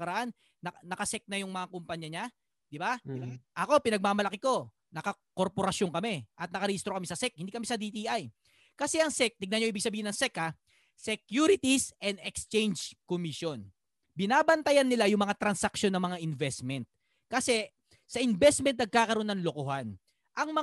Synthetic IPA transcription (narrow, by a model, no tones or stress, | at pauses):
kɐɾɐʔanː | ɐnɐkɐsɛk̚nɐjʊŋmɐŋakʊmpɐɲɐɲa | d̪ɪbaʔɐko̞pɪnɐɡ̚maːmɐlɐkɪko̞ | nɐkɐ | ko̞ɾpo̞ɾɐsjoŋkɐmɛʔɐt̪̚nɐkɐɾihist̪ɾokɐmɛsɐsɛk̚hɪnd̪iːkɐmisɐd̪it̪iʔaj | kɐsɛɐŋsɛk̚t̪ɪɡ̚naɲoiːbɪɡsɐbiːhɪnɐŋsɛkːa | sɛkjuɾɪt̪isɛnd̪ɛkst͡ʃɛjnd͡ʒkomiʃjo̞n | bɪnaːbɐnt̪ɐjɐnːɪlajʊŋmɐŋat̪ɾɐnsɐk̚ʃo̞nːɐŋmɐŋaʔɪnvɛst̪̚mɛnt̪̚ | kɐsɛ | sɐʔɪnvɛst̪̚mɛnt̪̚nɐɡ̚kaːkɐɾoonɐnlokohan | ʔɐŋmɐ